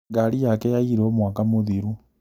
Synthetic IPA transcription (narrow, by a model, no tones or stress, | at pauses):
ɡaɾijakɛjaiɾɛomwakamoðiɾu